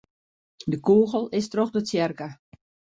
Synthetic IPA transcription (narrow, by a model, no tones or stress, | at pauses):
dəkuːɣəlˠɪstroxdətjɛrkə